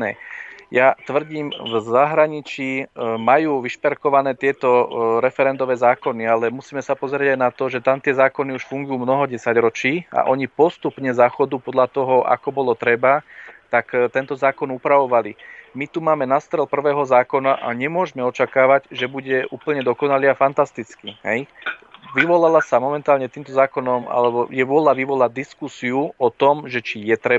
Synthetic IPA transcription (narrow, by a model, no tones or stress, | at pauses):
nɛjat̪ʋr̩ɟiːmvzaɦɾaɲit͡ʃiːmajuːʋiʃpɛɾkɔʋanɛːt̪ɪɛt̪ɔɾɛfɛɾɛnd̪ɔʋɛːzaːkɔnialɛmusiːmɛsapɔzɾɪɛɟajnat̪ɔʒɛt̪amt̪ɪɛzaːkɔniuʃfuŋɡujuːmnɔɦɔɟɛsaɟɾɔt͡ʃiːa̰ʔɔɲipɔst̪upɲɛzaxɔd̪upɔd̪ʎat̪ɔɦɔa̰kɔbɔlɔt̪ɾɛbat̪akt̪ɛnt̪ɔzaːkɔnupɾaʋɔʋalimit̪umaːmɛnast̪ɾɛlpr̩ʋɛːɦɔzaːkɔnaʔaɲɛmʊɔʒmɛɔt͡ʃakaːʋaɟʒɛbuɟɛʔuːpl̩ɲɛd̪ɔkɔnaliafant̪ast̪it͡skiɦɛjʋiʋɔlalasamɔmɛnt̪aːlɲɛt̪iːmt̪ɔzaːkɔnɔma̰lɛbɔjɛʋɔlaʋiʋɔlad̪iskusiuɔt̪ɔmʒɛt͡ʃijɛt̪ɾɛ